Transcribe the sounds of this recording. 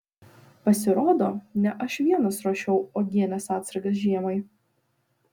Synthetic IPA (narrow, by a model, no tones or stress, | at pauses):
pɐsʲɪɾoːd̪oːnʲɛʔɐʃʋʲiɛnɐsɾoːʃʲɛʊoːɡʲiɛnʲɛsɑːt̪sɐɾɡɐsʒʲiɛmɐɪ